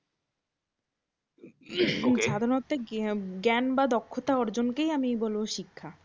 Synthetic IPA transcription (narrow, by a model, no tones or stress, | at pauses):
eboŋʃad̪ʱaɾnot̪eɡɛnbad̪ɔkʰːot̪aɔɾd͡ʑonkejamibɔlboʃikʰːa